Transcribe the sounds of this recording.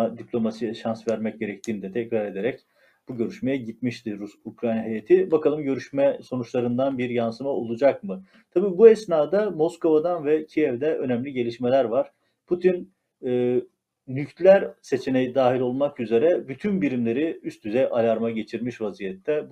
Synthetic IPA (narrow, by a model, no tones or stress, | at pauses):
d̪iplʲo̞masijɛʃansvæɾmɛc̚ɟe̞ɾɛc̚t̪ʰiːnid̪ɛt̪ʰɛcɾaɾe̞d̪eɾɛc | b̥uɟø̞ɾyʃmejɛɟit̪miʃt̪ʰiɾusukɾajnaɦejat̪ʰibakʰalˠɯmɟø̞ɾyʃmɛso̞nut͡ʃlˠaɾɯnd̪anbiɾjansɯmaolˠud͡ʒakmɯ | t̪ʰabiːbuɛsnaːd̪amo̞sko̞vad̪anvɛcʰijɛvd̪ɛʔø̞næmlʲiɟe̞lʲiʃme̞lʲæɾvaɾ̥ | pʰut̪ʰinː | yct̪lʲæɾse̞t͡ʃʰenejid̪aːɦilʲo̞lˠmakyze̞ɾɛbyt̪ʰynbiɾimlʲe̞ɾiyst̪ʰyzɛʔalʲaɾmaɟe̞t͡ʃʰiɾmiʃvazijɛt̪ʰːɛb